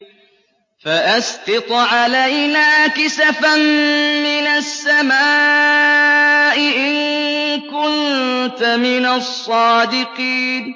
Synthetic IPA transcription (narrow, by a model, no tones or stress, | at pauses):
faʔasqɨt̪ˤʕalajnaːkɪsafammɪnasːamaː | ʔɪʔɪnkʊnt̪amɪnasˤːɑːd̪ɪqiːn